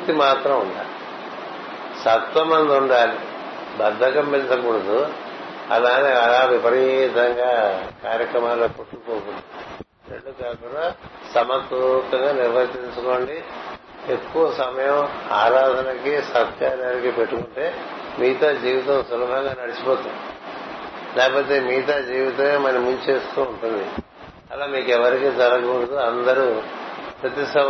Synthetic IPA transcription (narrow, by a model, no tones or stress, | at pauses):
ukt̪imaːt̪ɾɐmuɳɖa̰ː | sɐt̪ʋɐmɐnd̪uɳɖaːli | bɐd̪ʱːɐɡɐmpint͡ʃɐkuɽɐd̪u | ɐ̰laːneːɐlaːʋipɐɾit̪ɐŋɡaːkaːɾjɐkɾɐmaːloːkoʈːukoːkuɳɖi | ɾḛɭːukaːkunːasɐmɐt̪ut̪ːɐŋɡaːniɾʋɐɾt̪iɲt͡ʃuko̞ːɳɖi | e̞kːuʋɐsɐmɐjɐmaːɾaːd̪ʱɐnɐkisɐt̪kaːɾaːnikipe̞ʈːukuɳʈe̞ː | miːt̪aːd͡ʒiːʋit̪ɐmsulɐbʱɐŋɡaːnɐɽit͡ʃi̥poːt̪uni | lɛːkɐpo̞ːt̪e̞ːmiːt̪aːd͡ʒiːʋit̪ɐmeːmɐnɐmuɲt͡ʃeːst̪uːɳʈund̪i | ɐ̰laːmiːkɛʋɐɾikid͡ʒɐɾɐɡuɽɐd̪uɐnd̪ɐɾupɾɐt̪isɐ